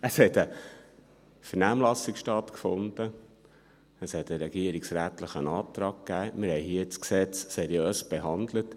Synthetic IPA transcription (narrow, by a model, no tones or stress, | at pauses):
əshɛt̪ə | fəɾnæːmlɑsikʃtɑtkfʊnd̪̥ə | əshɛt̪əɾɛɡ̥iəɾɪksɾæːt̪ləχənɑːt̪ɾɑːɡ̚kːæːmɪɾhɛɪɦiət͡sksɛt͡ssɛɾjøːsb̥eɦɑnd̪lət